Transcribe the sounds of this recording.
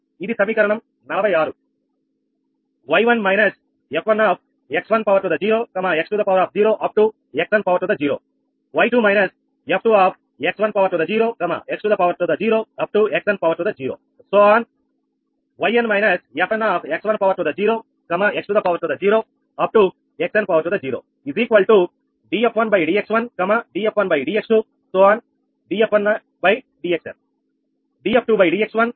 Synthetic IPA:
id̪isɐmiːkɐɾɐɳɐm | nɐlɐbʱɐjaːɾu | ʋɐjʋɐnmɐjnɐs | epʰʋɐnaːp̚ʰ | eksʋɐnpɐʋɐɾʈud̪ɐd͡ʒiːɾoːkɐmaeksʈud̪ɐpɐʋɾaːp̚ʰd͡ʒiːɾoːʔɐp̚ʈu | eksʋɐnpɐʋɐɾʈud̪ɐd͡ʒiːɾoː | ʋɐjʈuːmɐjnɐs | ep̚ʰʈuaːp̚ʰ | eksʋɐnpɐʋɐɾʈud̪ɐd͡ʒiːɾoːkɐma̰ʔeksʈud̪ɐpɐʋɐɾʈud̪ɐd͡ʒiːɾoːɐp̚ʈueksʋɐnpɐʋɐɾʈud̪ɐd͡ʒiːɾo̰ː | soːaːn | ʋɐjɐ̃nmɐjnɐsjepʰɐ̃naːpʰeksʋɐnpɐʋɐɾʈud̪ɐd͡ʒiːɾoː | kɐmaeksʈud̪ɐpɐʋɐɾʈud̪ɐd͡ʒiːɾoː | ɐp̚ʈu | eksɐ̃npɐʋɐɾʈud̪ɐd͡ʒiːɾo̰ː | iziːkʋɐlʈu | ɖiːepʰʋɐnbɐjɖiːeksʋɐnkɐmaɖiːepʋɐnbɐjɖiːeksʈu | soːaːn | ɖiːepʰʋɐn | bɐj | ɖiːeksɐ̰n | ɖiːep̚ʈuːbɐjɖiːeksʋɐn

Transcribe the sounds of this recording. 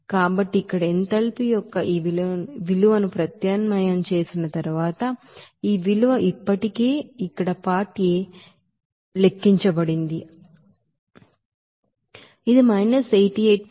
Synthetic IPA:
kaːbɐʈːiːkːɐɽɐent̪ɐlpijɔkːɐʔiːʋilʋiluʋɐnupɾɐt̪jaːnmɐjɐmt͡ʃe̞ːsinɐt̪ɐɾuʋaːt̪ɐ | iːʋiluʋɐʔipːɐʈike̞ːikːɐɽɐpaːɾʈːijeː | le̞kːiɲt͡ʃɐbɐɽind̪i | id̪imɐjnɐsɐjʈiɐʈ

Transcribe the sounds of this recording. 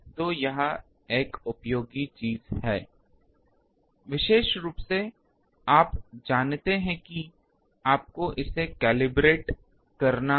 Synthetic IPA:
t̪ojɐɦã | eːkʊpjoːɡit͡ʃiːzhɛː | ʋɪʃeːʃɾuːpse | aːpd͡ʒaːnt̪eɦɛ̃ki | aːp̚koʔɪsekɛːlɪbɾeːʈ | kɐɾna

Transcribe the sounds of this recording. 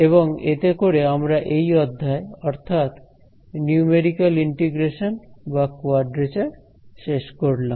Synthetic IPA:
eβoŋet̪ekoɾeamɾaʔejɔd̪ʱːaeɔɾt̪ʰat̪ | niumeɖikaliɳʈiɡɾeʃonbakoaɖɾet͡ɕaɾ | ʃeʃkoɾlam

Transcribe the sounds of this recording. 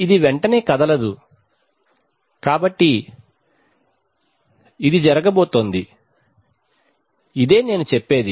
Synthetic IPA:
id̪iʋɛɳʈɐne̞ːkɐd̪ɐlɐd̪u | kaːbɐʈːi | d̪id͡ʒɐɾɐɡɐboːt̪ond̪i | id̪e̞ːne̞ːnut͡ʃɛpːe̞ːd̪i

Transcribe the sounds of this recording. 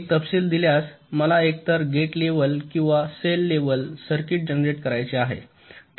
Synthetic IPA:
t̪əpsiːld̪iljasməlaek̚t̪əɾɡeʈleʋəlkĩw̃ʋaselːeʋəlsəɾkiːʈ̚d͡ʑənɾeʈkəɾajt͡seaɦḛ | t̪

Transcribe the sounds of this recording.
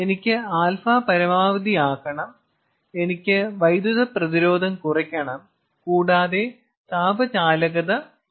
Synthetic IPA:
enikʲːɨaːlfaːpɐɾɐmaːʋɐd̪iaːɣɐɳɐm | e̞nikʲːɨʋɐjd̪uðɐprɐðiɾo̞ːd̪ʱɐmkurɐkʲːɐɳɐm | kuːɽaːðe̞ | t̪aːbʱɐt͡ɕaːlɐɣɐðɐ

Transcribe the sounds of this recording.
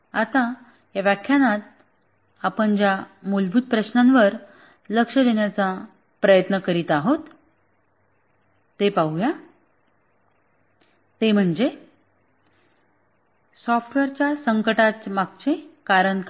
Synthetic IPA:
at̪ã | jaʋjakʰjanat̪̚ | apəɳd͡ʑjamulbʱuːd̪̚pɾəɕnãnʋəɾ | ləkʂəd̪eɳjat͡sa | pɾəjət̪nəkəɾit̪aɦot̪ | epaɦuja | t̪em̤əɳd͡ze | sɔfʈʋeɾt͡ɕjasəŋkəʈat͡smaɡt͡ɕẽkaɾəɳk

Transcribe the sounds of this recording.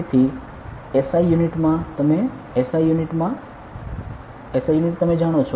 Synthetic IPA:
t̪ʰi | esajuniʈmãt̪əme | esajuniʈmã | esajuniʈt̪əmed͡ʒaɽ̃ot͡ʃʰo

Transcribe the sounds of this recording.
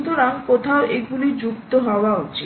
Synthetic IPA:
t̪oɾaŋkot̪ʰaoʔeɡulid͡ʑukt̪oɦɔoaot͡ɕʰi

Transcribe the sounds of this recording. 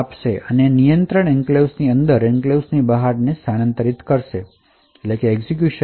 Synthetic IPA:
apʃeʔənenijənt̪ɾəɳ̃eŋklewsniənd̪əɾɛŋklewsnibəɦaɾnesanənt̪əɾit̪kəɾʃe | eʈlekeːɡzik̬juʃə

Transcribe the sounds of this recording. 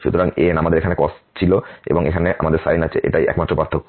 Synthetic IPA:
ʃṵt̪oɾaŋḛnamad̪eɾekʰanekɔst͡ɕʰiloḛboŋekʰaneʔa̰mad̪eɾsa̰jnat͡ɕʰeʔḛʈajɛ̰kmat̪ːɾopaɾt̪ʰokː

